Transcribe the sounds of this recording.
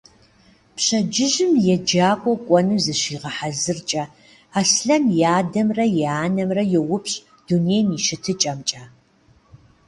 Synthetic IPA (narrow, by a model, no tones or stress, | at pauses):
pɕɐd͡ʒɪʒɪmjɛd͡ʒaːkʷʼɔkʷʼɔnɨzɨɕiːʁɐħazɨrt͡ʃʼɐ | aːsɬɐmjaːdɐmrɐjaːnɐmrɐjɛwʊpɕʼ | d̥unejmiʃɪtʰɨt͡ʃʼɐmt͡ʃʼaː